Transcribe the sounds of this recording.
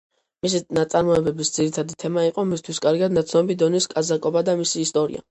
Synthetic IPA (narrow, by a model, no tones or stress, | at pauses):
mis̬inat̪sʼaɾmɔɛbɛbisd̪z̥iɾit̪ʰad̪it̪ʰɛmaiqʼɔmist̪ʰwiskʼaɾɡad̪̚nat̪sʰnɔbid̪ɔniskʼazakʼɔbad̪amisiːst̪ʼɔɾḭa̰